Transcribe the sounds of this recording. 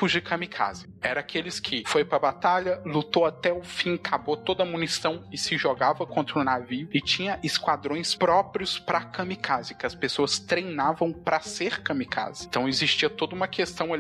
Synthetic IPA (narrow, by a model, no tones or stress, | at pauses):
fuʒikʰɐmikʰa̰zɪɛɾɐakʰelɪskʰɪfojpɾɐbat̪aʎɐlut̪owat̪ɛʊfĩkʰabot̪od̪ɐmũnisɐ̃w̃ɪsɪʒoɡavɐkõnt̪ɾʊnaviʊɪt͡ʃĩɲɐʔɪskwad̪ɾõj̃spɾɔpɾiʊspɾɐkɐ̃mikʰazɪkɪɐspesoɐst̪ɾejnavɐ̃w̃pɾɐseɾkɐ̃mikʰa̰zɪ̥t̪ɐ̃w̃ɪzist͡ʃiɐt̪od̪ɐũmɐkʰest̪ɐ̃w̃al